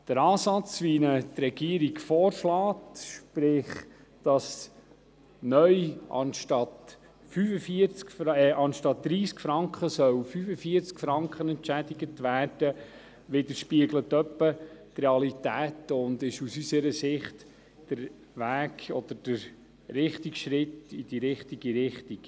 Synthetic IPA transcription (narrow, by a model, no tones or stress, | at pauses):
d̥əɾɑːsɑt͡sʋinət̪ɾɛɡ̥iəɾiɡfɔːɾʃlɑːtʃpɾɪχ | d̥ɑs | nœʏʔɑ̰nʃtɑt̪ | fyfəfiəɾt͡skfɛʔɑnʃtɑt̪̚d̥̪ɾiːskfɾɑŋkχəsœwfyfəfiəɾt͡skfɾɑŋkχənɛntt͡ʃæd̪iɡətʋæːrd̥ə | ʋɪd̪əɾʃpiəɡlət̪œpːət̪rɛɑlit̪æːtʊnd̪ɪʃusysəɾəsɪχt | d̥əɾ | ʋæːkɔd̪̥əɾd̥əɾ | ɾɪχt̪ikʃɾɪt̪id̥iɾɪχt̪iɡiɾɪχt̪ik